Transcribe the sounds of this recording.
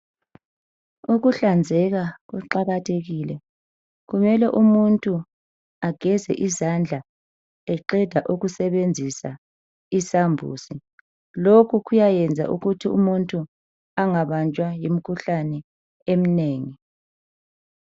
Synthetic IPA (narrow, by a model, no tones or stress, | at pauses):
uɣuɬand͡zʱɛɣaɣuǃaɣatʰeɣiːlɛ | ɣumɛlɛʔumuntʼu | aɡ̥ʱɛzɛ̰ʔizand͡ɮʱa | ɛǃɛd̥ʱaʔuɣusɛβend͡zʱisa | isambʱṵːsi | lokʰuɣujajɛnd͡zʱa̰ʔuɣutʰiṵmuntʼu | aŋaβant͡ʃʼwajim̩kʰuɬanɛ | em̩neːŋi